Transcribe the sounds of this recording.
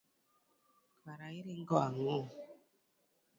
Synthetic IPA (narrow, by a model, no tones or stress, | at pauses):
kwaɾaiɾiŋ̩ɡɔaŋo